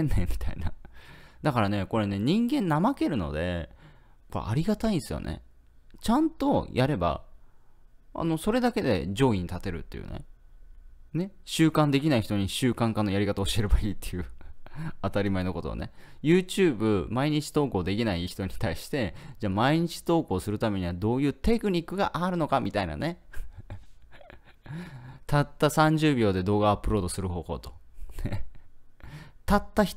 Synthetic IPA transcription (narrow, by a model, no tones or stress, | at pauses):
enːemʲi̥t̪a̰ḭna̰d̪akaɾane̞ko̞ɾe̞ne̞ɲ̟ĩŋɡẽ̞nːamake̞ɾɯ̟no̞̰d̪e̞ | ko̰ʔaɾʲiɡat̪aĩsɨjo̰nḛ | t͡ɕãnt̪o̞jʔaɾe̞ba̰ | a̰no̞so̞ɾe̞d̪ake̞d̪e̞̰d͡ʑo̞ːiɲ̟it̪at̪e̞ɾɯ̟t̪ːe̞jɯ̰ne̞̰ | ne̞ɕɨːkãnd̪e̞k̬ʲinaiçi̥t̪o̞ɲ̟iɕɨːkãŋkanːo̞jaɾʲikat̪aoɕie̞ɾebaiːt̪ːe̞jɯ̟ | at̪aɾʲimaeno̞ko̞t̪o̰ne̞̰jɯ̟ːt͡ɕɨːbɯ̟maiɲ̟it͡ɕi̥t̪o̞ːko̞ːd̪e̞kʲinaiçi̥t̪o̞ɲ̟i̥t̪aiɕi̥t̪e̞d͡ʑaːmaiɲ̟it͡ɕi̥t̪o̞ːko̞ːsɨɾɯ̟t̪ame̞ɲ̟iβad̪o̞ːjɯ̟ːt̪e̞kɯ̟ɲ̟ikːɯ̟ɡaʔaɾɯ̟no̞kamʲʔʲit̪aina̰ne̞ | t̪at̪ːasãɲ̟d͡ʑɨːbʲo̞ːd̪e̞d̪o̞ːɡaːpːɯ̟ɾo̞ːd̪o̞sɨɾɯ̟ɦo̞ːho̞̰ːt̪o̥ne | t̪at̪ːaçi̥